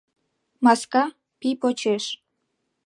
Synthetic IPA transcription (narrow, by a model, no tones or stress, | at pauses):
mɑskɑ | pipot͡ɕeʃ